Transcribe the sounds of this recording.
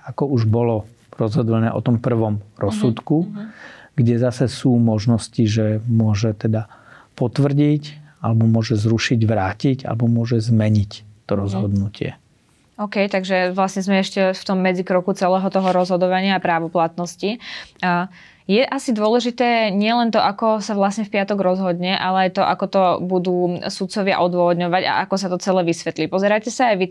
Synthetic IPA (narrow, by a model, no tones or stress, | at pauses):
akɔuʒbɔlɔ | ɾɔzɦɔd̪lɛnɛ̰ːʔɔt̪ɔmpr̩ʋɔmɾɔsːut̪ku | ɡ̥ɟɛzasɛsuːmɔʒnɔsciʒɛmʊɔʒɛt̪ɛd̪apɔt̪ʋr̩ɟic | alɛbɔmʊɔʒɛzɾuʃiɟʋɾaːciɟa̰lɛbɔmʊɔʒɛzmɛɲict̪ɔɾɔzɦɔd̪nucɪɛ̰ | ɔkɛjt̪aɡʒɛʋlasɲɛzmɛɛʃcɛft̪ɔmːɛd͡zikɾɔkut͡sɛlɛːɦɔt̪ɔɦɔɾɔzɦɔd̪ɔʋaɲɪaːpɾaːʋɔplat̪nɔsci | jɛʔasid̪ʊɔlɛʒit̪ɛːɲɪɛlɛnt̪ɔʔakɔsaʋlasɲɛfpɪat̪ɔɡɾɔzɦɔd̪ɲɛʔalɛajt̪ɔʔakɔt̪ɔbud̪uːsut̪̚t͡sɔʋɪa̰ʔɔd̪ʊɔʋɔd̪ɲɔʋaɟa̰ʔakɔsat̪ɔt͡sɛlɛːʋisʋɛt̪liːpɔzɛɾacɛsaːjʋi